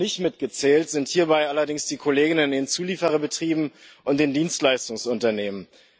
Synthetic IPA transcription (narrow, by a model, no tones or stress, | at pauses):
nɪçtmɪtɡ̥ət͡sɛːltz̥ɪnthiːɐbaɪʔalɐdɪŋsd̥iːkʰoleːɡɪnənndeːnt͡suːliːfəʁəbətʁ̥iːbm̩ʔʊnt̚d̥eːndiːnstlaɪstʊŋsʊntɐneːmən